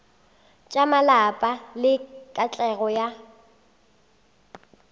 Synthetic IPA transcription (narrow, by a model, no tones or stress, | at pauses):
t͡ʃʼamalapʼalɪkʼat͡ɬʼɛɣɔja